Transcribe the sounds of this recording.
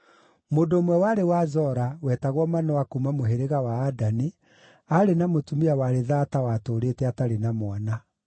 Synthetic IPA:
moːndoːmwɛwaɾewazɔɾawɛːtaɣwɔmanɔwakuːmamoɦeɾeɣawaːdani | aɾenamotumiawaɾeðatawatoːɾetɛataɾenamwana

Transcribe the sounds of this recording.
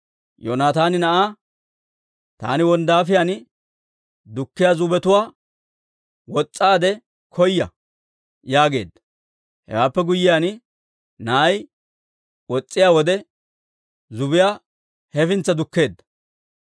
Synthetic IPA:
joːnaːt̪aːnɪnɐʔaː | t̪a̰ːnɪwɔnd̪aːfɪjan | d̪ʊkːɪjaːzʊbɛt̪ʊwaː | wɔt͡sʼːaːd̪ɛ | kʰɔjːɐ̰ | jaːɡe̞̰ːd̪ːɐ̥ | hɛ̰waːpːɛɡʊjːɪjaːn | nɐʔɐj | wɔt͡sʼːɪjaːwɔd̪ɛ | zʊbɪjaː | hɛfɪnt͡sːɐd̪ʊkːe̞ːd̪ːɐ̥

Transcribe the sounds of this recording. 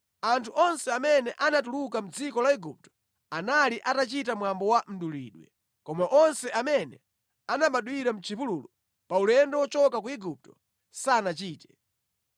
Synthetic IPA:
antʰuʔɔnsɛamɛnɛʔanatuluk̬am̩d͡zikɔlaiɡup̚tɔ̥ | analiʔatat͡ʃitamwambɔwam̩ɗulḭːɗwɛ̰ | kɔmaʔɔnsɛʔamɛnɛ̰ | anamaɗwiɾam̩t͡ʃʰivuluːlu | paulɛndɛwɔt͡ʃɔkakuiɡup̚tɔ̥ | saːnat͡ʃiːtɛ̥

